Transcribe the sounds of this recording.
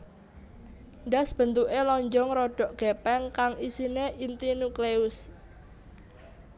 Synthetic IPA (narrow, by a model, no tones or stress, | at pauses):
ɳɖa̤sb̥ə̤nt̪uʔelɔɲd͡ʒɔŋɾɔɖ̥ɔ̤ʔɡ̥ɛpɛŋkaŋisineʔint̪inukleʊs